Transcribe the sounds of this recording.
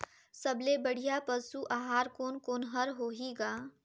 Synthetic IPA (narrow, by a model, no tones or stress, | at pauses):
sɐblebəɽ̤ijapəsuʔaːɦaːɾkoːnkoːnɦɐɾɦoːɦiːɡaː